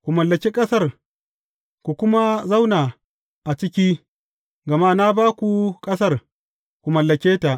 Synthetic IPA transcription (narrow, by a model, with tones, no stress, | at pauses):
kʷu˨mɐ˨lːɐ˨kʲe˦kʼɐ˦sɐ˦˨r | kʷu˨kʷʊ˦ma˦za˦wnaː˨ | ʔa˨t͡ʃɪ˦kʲiː˦ | ɡɐ˨ma˦na˦baː˦kʷu˨kʼɐ˦sɐ˦˨r | kʷu˨mɐ˨lːɐ˨kʲeː˦ta˨ʔ